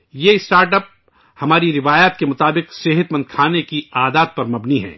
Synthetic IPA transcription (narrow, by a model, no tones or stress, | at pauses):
jeɪsʈaːɾʈəp̚ | hɐmaːɾiɾɪʋaːjaːt̪kemʊt̪aːbɪqseɦət̪mɐ̃nd̪̚kʰaːnekiaːd̪aːt̪̚pɐɾmɐbniɦɛ̰̃ː